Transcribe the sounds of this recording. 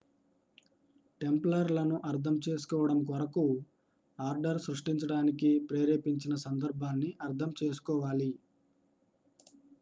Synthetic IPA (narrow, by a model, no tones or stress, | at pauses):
ʈe̞mplɐɾlɐnuʔɐɾt̪ʰɐmt͡ʃe̞ːsu̥kɔːʋɐɽɐmkɐɾɐku | aːɾɖɐɾsɾuʂʈiɲt͡ʃɐɽaːnikipɾeːɾeːpiɲt͡ʃinɐsɐnd̪ɐɾbʱaːnːiʔɐɾd̪ʰʱɐmt͡ʃeːs̬u̥kɔːʋaːli